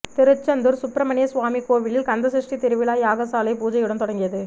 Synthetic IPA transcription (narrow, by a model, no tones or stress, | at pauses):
t̪ɪɾɯt͡ʃːɐnd̪ɯɾsʊpɾɐmɐɳɪjɐsʋaːmikoːʋɪlɪlkɐnd̪ɐs̬ɪʂʈit̪ɪɾɯʋɪlaːjaːɣɐsaːlɐɪpuːd͡ʒɐjɯɽɐnt̪ɔɽɐŋɡɪjɐðɯ